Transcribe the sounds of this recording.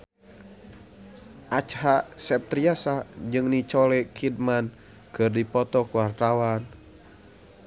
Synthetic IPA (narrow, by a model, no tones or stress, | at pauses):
ʔat͡ʃɦasɛp̚t̪ɾiasad͡ʒɨŋnit͡ʃɔlɛkʰid̚man | kɨrdipɔt̪ɔkuwart̪awan